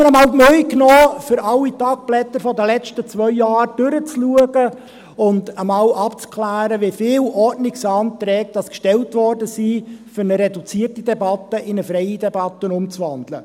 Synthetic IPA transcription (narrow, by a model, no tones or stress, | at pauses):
ənəmɑːlmœʏknoːfʏɾɑlːitɑk̚b̥lɛt̪ːəɾfɔdəlɛt͡ʃtət͡svœʏjɑːɾd̥ʏɾət͡sluəɡə | ʊndəmɑːlʔɑpt͡skʰlæːɾəʋɪfɪːlɔɾtnɪksɑːnt̪ɾɛːk̚d̥ɑskʃtɛltʋɔrdəsiːfʏɾnəɾɛdut͡siərtidɛbɑtəʔɪnəfɾɛɪidɛbɑt̪ːəənʊmt͡sʋɑnd̥lə